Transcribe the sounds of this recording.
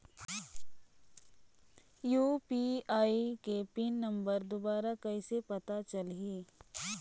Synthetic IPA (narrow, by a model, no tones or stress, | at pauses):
juːpiaːikepinːɐ̃mbəɾd̪ʊbaːɾakɐisepɐt̪at͡ʃɐlɦiː